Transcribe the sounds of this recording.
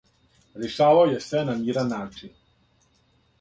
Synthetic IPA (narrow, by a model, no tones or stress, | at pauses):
ɾjeʃaːʋaojesʋenamiːɾanːaːt͡ʂin